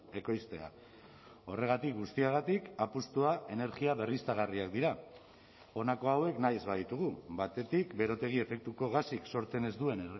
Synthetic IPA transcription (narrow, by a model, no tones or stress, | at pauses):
e̞kojst̪e̞a̰ | o̞re̞ɣ̞at̪ik̚ɡust̪iaɣat̪ikapust̪uaʔe̞ne̞ɾɣiaβe̞rist̪aɣ̞ariakd̪iɾa | o̞nako̞awe̞knajzβaðit̪uɣ̞ubat̪e̞t̪ikbe̞ɾo̞t̪e̞ɣ̞ie̞fe̞k̚t̪uko̞ɣ̞asikso̞ɾt͡se̞ne̞zd̪ue̞n